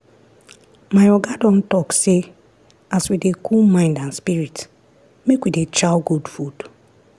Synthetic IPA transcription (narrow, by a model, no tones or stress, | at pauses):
majɔɡadɔn̩tɔkse | aswidekʰumãɪ̃ndanspiɾit | mekwidet͡ʃawɡudfud̥